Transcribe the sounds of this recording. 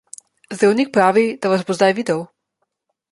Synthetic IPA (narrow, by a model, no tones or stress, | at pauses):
zd̪ɾawnik̚pɾaːʋid̪aʋazbozd̪ajʋiːd̪ɛw